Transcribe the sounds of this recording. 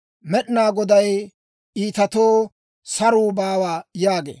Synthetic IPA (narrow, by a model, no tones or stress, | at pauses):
mɛɗɪnaːɡɔd̪ɐj | ʔiːt̪ɐt̪oː | sɐɾuːbaːwaːjaːɡḛː